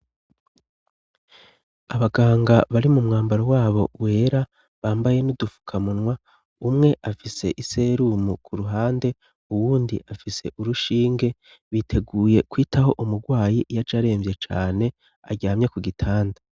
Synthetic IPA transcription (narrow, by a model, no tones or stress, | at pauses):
aβaɡaːŋɡaβaɾimumŋaːmbaɾowaːβo̞we̞ːɾa | βaːmbaje̞nudufu̥kʰamunwa | umŋe̞ʔafise̞̰ʔise̞ːɾumukʰuɾuɦaːnde̞ | uwuːndiʔafise̞̰ʔuɾuʃiːŋɡe̞ | βitʰe̞ɡuːje̞kwiːtaho̞ʔumuɡwaːjijad͡ʒaɾeːɱvje̞t͡ʃaːne̞ | a̰ɟaːmɲe̞kuɡitʰaːnda